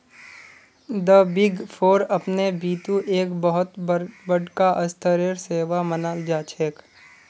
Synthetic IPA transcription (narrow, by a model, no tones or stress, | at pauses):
d̪əbɪɡpʰoːɾɐpnebiːt̪ũʔeːkbəɦʊt̪bəɽkaʔəst̪ʰəɾeɾseːʋamənaːld͡ʒaːt͡ʃʰeːk